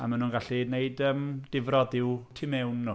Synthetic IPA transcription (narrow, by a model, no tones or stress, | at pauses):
a̰manunɡaɬineɨdəmd̥ɪvrɔdɪwtʰɪmɛwnːu